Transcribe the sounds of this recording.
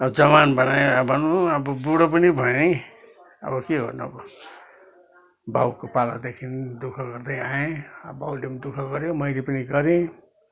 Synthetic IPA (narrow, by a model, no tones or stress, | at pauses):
ʌbʌd͡zʌmanbʌnajobʱʌnuʌbʌbuɽʌp̬ʌnibʱʌẽ | ʌ̰bʌkeɡʌ̰rnuʌbʌ | ba̰wkopala̰d̪ekʰind̪ukʰʌɡʌrd̪ʌjaẽʌ̰bawleʌnd̪ukʰʌɡʌɾjomʌjlepʌniɡʌɾẽ